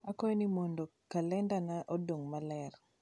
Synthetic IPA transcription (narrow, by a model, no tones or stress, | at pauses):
akɔnimɔndokalɛndanaʔodoŋmalɛr